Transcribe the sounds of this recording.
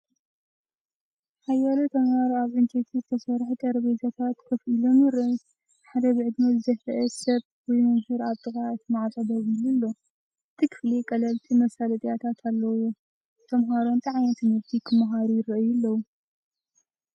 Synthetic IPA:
hajaɾot̪ʰɐmhaɾoaβʔɨnt̪ʰet̪ʰizɨt̪ʰɐsɐɾħut̪ʼɐɾβet̪ʰɐt̪ʰat̪kʰɨfilomɨɾɨs | ħad̪ɐβɨʕɨd̪nɐzɨzɐħɾɨʔɛsɐβ | wɔjmɨmhɨɾaβt̪ʼɨxʼaɨt̪ʰɨmaʕt̪ʼɐd̪ɐzilulːo̞ | ɨt̪ʰikʰɨ̥flekʼɐlɐlt̪ʰimɐsalɐt̪ʼijat̪ʰat̪ʰalːɐwo | t̪ʰɐmɦaɾont̪ʼaʕajɐt̪ʰɨmɨɾt̪ʰikʰɨmɐɦaɾujɪɾɐʔɨjulːɐwu

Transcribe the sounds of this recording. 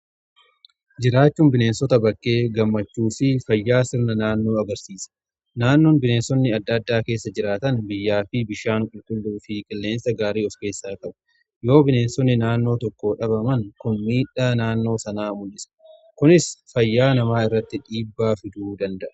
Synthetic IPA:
d͡ʒɪɾaːt͡ʃːuːnbɪne̞ːnsɔt̪ɐbɐkʼːe̞ːɡɐmːɐt͡ʃːuːfɪfɐjːaːsɪɾnɐnaːnːo̞ːɐɡɐɾsiːsɐ̥ | naːnːoːnbɪne̞ːnsɔnːɪɐd̪ːɐd̪ːaːke̞ːsːɐd͡ʒɪɾaːt̪ɐnbɪjːaːfɪbɪʃaːŋkʼʊlkʼʊlːuːfɪkʼɪlːe̞ːnsɐɡaːɾiːɔfke̞ːsːaːkʼɐbɐ̥ | jo̞ːbɪne̞ːnsɔnːɪnaːnːo̞ːt̪ɔkːoːᶑɐbɐmɐŋkʊnmiːᶑaːnaːnːo̞ːsɐnaːmʊlɪsɐ̥ | kʊnɪsfɐjːaːnɐmaːɪrːɐt̪ːɪᶑiːbːaːfɪd̪uːd̪ɐnd̪ɐʔɐ̥

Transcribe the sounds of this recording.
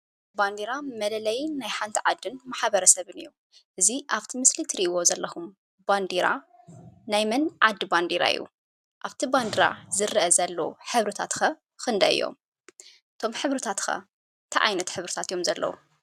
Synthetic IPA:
band̪iɾamɐlɐlɐjːajħant̪ʰiʕad̪ːɨnmaħβɐɾɐsɐβɨnɨjːu | ʔɨziʔaβt̪ʰimɨslit̪ʰɾiʔiwo̞zɐlːɐxum | band̪iɾa̰ | najmɐnʕa̰d̪ːɨband̪iɾa̰ɨ̰jːṵ | ʔaβt̪ʰiband̪iɾa̰zɨɾɨʔɐzɐlːɐwuħɨβɾɨt̪ʰat̪xɐ | xɨnd̪ɐɨ̰jːo̰m | ʔɨt̪ʰo̞mħɨβɾɨt̪ʰat̪xɐ̰ | t̪ʰɐʕa̰jnɐt̪ħɨβɾɨt̪ʰat̪ɨjomzɐlːɐ̰wṵ

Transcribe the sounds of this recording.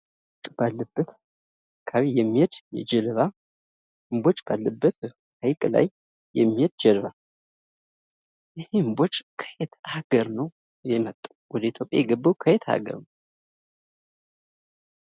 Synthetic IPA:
ot͡ʃʼb̥alːəbːət̪ | kʰaβijɛmːihed̪jɛ̰d͡ʒɛlɨβa | ɨmbot͡ʃʼb̥alːəbːət̪ | hajkʼla̰jː | ɛmːihed̪̚d͡ʒɛlβa | jɪhembot͡ʃʼkʰə̥jet̪ʰaɡəɾnəw | jɛmət̪ʼːa | wɔd̪əit̪ʰjopʼja̰jɛɡəbːəwkʰəhet̪ha̰ɡə̰ɾnəw

